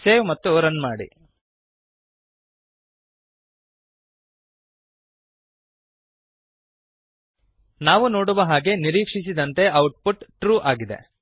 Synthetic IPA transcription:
seːʋmɐt̪ːuɾɐnmaːɽḭ | naːʋuno̞ːɽuʋɐɦaːɡe̞niɾiːkʂis̬id̪ɐnt̪e̞ɐwʈ̚puʈʈɾuːʔaːɡid̪e̞̰

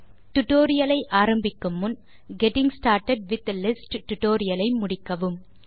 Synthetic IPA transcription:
ʈʊʈoːɾɪjɐlɐɪʔaːɾɐmbɪkːɯmːʊn | ɡɛʈɪŋsʈaːɾʈɐɖ̚ʋɪt̪̚ːɐlɪsʈʈːʊʈoːɾɪjɐlɐɪmʊɽɪkːɐʋɯm

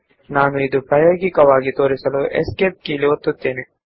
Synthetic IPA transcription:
naːnuid̪upɾaːjoːɡikɐʋaːɡit̪o̞ːɾisɐluʔḛskep̚kiːliʋot̪ːut̪ːeːne

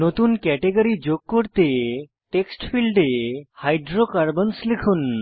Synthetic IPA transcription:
not̪unkɛʈeɡəɾid͡ʒoɡ̚kːoɾt̪e | ʈeksʈpʰilɖehajɖɾokaɾbənslikʰun

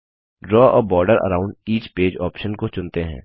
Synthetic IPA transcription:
ɖɾɔːɔːbɔːɾɖəɾə̰ɾãːʊ̃ɳɖiːt͡ʃpeːd͡ʒɔːpʃənkot͡ʃʊ̃nt̪eɦɛ̰̃ː

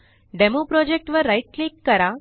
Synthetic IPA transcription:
ɖɛmopɾɔd͡ʑek̚ʈʋəɾːajʈ̚klekːəɾa

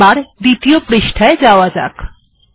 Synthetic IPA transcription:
aɾd̪it̪ijopɾiʃʈʰaed͡zaʋad͡za̰k

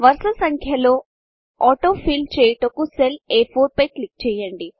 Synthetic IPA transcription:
ʋɐɾsɐsɐŋkʰjɐlo̞ː | ɔːʈoːpʰiːlt͡ʃeːjʈokuseleːpʰoːɾpɐjklik̚t͡ʃɛːjɐɳɖi

